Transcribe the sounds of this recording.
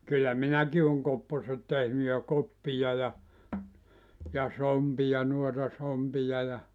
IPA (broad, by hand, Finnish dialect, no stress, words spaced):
kylːæ minæki oŋ kopːoset tehny jɑ kopːijɑ jɑ jɑ sompijɑ nuotɑ sompijɑ jɑ